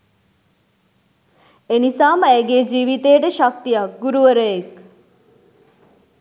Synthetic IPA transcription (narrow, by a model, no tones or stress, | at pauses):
enisaːməeɡed͡ʒiːʋit̪eːʈeʃɐk̚t̪ijaɡuɾuʋəɾəek